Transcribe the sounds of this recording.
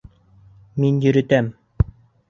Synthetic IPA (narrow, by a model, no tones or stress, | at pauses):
minjɵ̆ɾɘ̆t̪æm